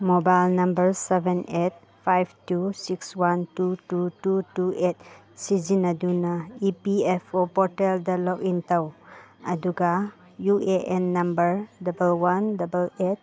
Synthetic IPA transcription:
mobajlnɐmbəɾsebenet̚ | pʰajbtusikswantutututuʔet̚ | sid͡ʒinadunaipiepʰopɔɾteldalɔkintawɐduɡa | jueʔenːɐmbəɾdɐbəlwandabəlet̚

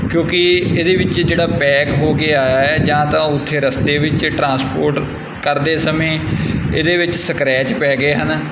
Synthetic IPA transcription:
kjõːkɪeːd̪eːʋɪt͡ʃd͡ʒeːɽaːpɛːkɦoːɡeːaːjaːɛːd͡ʒãːt̪ãːʊt̪ʰːeːɾəst̪eːʋɪt͡ʃʈɾãːspoːɾʈ | kəɾd̪eːsəmẽːḛːd̪eːʋɪt͡ʃsəkɾɛːt͡ʃpɛːɡeːɦən

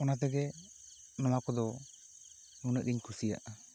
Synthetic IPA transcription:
ɔnat̪̬ɛɡɛ | nɔmakɔd̪ɔ | munəʔ̚diɲkʰuɾsija̰ʔ

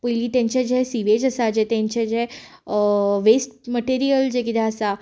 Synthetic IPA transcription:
pəjliːt̪ãɲt͡ɕed͡ʑɛsiʋed͡ʑəsad͡ʑet̪ãɲt͡ɕed͡ʑɛ | ʋesʈməʈeɾijəld͡ʑekid̪ɛəsa

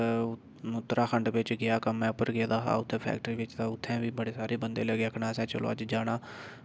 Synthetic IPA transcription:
ʊt̪ːɾaːkʰəɳɖʋɪt͡ʃɡɪjaːkəmɛ̃ːʊpəɾɡɪaːd̪aːɦa̰ːʊt̪ʰːɛ̃ːpʰɛ̰ːkʈəɾiːʋɪt͡ʃt̪ãːʊt̪ʰːɛ̃ːʋiːbəɽeːsaːɾeːbənd̪eːləɡeːəkʰnãːsɛ̃ːt͡ʃəlo̰ːəd͡ʒd͡ʒaːɽaː

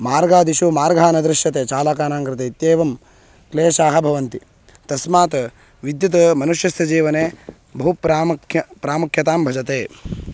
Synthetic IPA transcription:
maːɾɡaːd̪iʃumaːɾɡʱaːnɐd̪ɾɪʃjɐt̪eːt͡ʃaːlaːkaːnaːŋkɾɪt̪eit̪jeːʋɐm | kleːʃaːɦɐ̆bʱɐʋɐnt̪i | t̪ɐsmaːt̪ɐ | ʋid̪jut̪ɐmɐnuʃjɐsjɐd͡ʒiːʋɐneː | bɐɦupɾpɾaːmukʰjɐt̪aːmbʱɐd͡ʒɐt̪eː

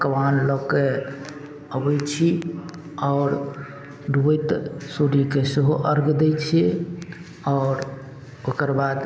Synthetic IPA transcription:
kəwanlɔke | əbəjt͡ʃʰi | ɔːɾ | ɖʱuəjt̪suɾikeseɦoʔəɾɡd̪ɛt͡ʃʰi | ɔːɾ | okəɾbad̪

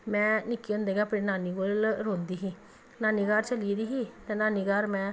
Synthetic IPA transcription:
mɛ̃ːnɪkːiːõnd̪eːɡaːpinaːniːɡoːlɾõːnd̪iːɦiː | naːniːɡaːɾt͡ʃəlid̪iːɦiːt̪ɛ̃ːnaːniːɡaːɾmɛ̃ː

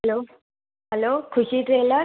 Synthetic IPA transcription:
ɦlo | ɦɛloːkʰuɕiʈɾelə

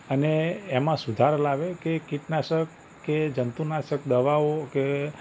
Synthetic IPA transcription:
əneːmãsud̪ʱaɾlaʋekekiʈnaʃəkː | ed͡ʒənt̪unaʃəkd̪əʋaoke

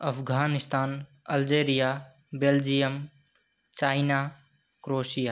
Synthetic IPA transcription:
əpʰɡʱaːnist̪ʰaːn | əld͡ʒeɾija | beld͡ʒijəm | t͡ʃaːɪna | kɾoːsija

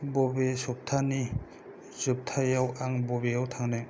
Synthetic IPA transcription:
bɔbesɔp̚tʰani | zup̚tʰajawaŋbɔbejawtʰaŋna

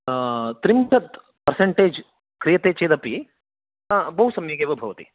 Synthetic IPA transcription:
t̪ɾimkɐt̪ | pɐɾseɳʈeːd͡ʒ | kɾijɐt̪eːt͡ʃeːd̪ɐpi | bɐɦusɐmjɐɡeːʋɐbʱɐʋɐt̪ḭ

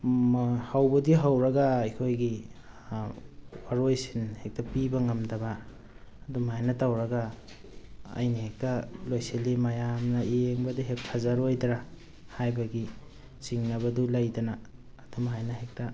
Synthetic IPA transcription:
mhawbɐdiɦawɾɐɡajkʰojɡi | waɾojsinhek̚tɐpibɐŋɐmdɐbaː | dumajnɐtawɾɐɡa | jnihek̚tɐlojselimajamnɐieŋbɐdiɦek̚pʰazaɾojdɾa | hajbaɡi | t͡ʃiŋnɐβɐdulajdɐnaː | dumhajnaɦek̚ta

